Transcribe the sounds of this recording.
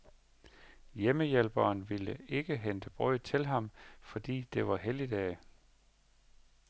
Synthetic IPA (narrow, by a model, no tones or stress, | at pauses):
jeməjelb̥ɐːnʋiləe̝ɡ̥əɦend̥əb̥ʁɔ̰ɪ̰̥t͡sʰe̝lɦɑ̈mfɒ̽d̥ḭːd̥e̝ʋɑ̈ɦelid̥ɛː